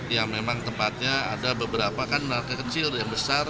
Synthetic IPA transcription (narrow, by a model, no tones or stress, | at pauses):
jaŋmemaŋt̪əmpat̪̚ɲaa̰dabəbəɾapakanməŋakakət͡ʃɪljaŋbəsar